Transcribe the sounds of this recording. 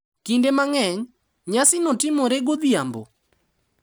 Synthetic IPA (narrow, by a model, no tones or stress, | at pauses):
kindemaŋɛŋ | ɲasɪnɔtɪmɔɾeɡod̪jambo̰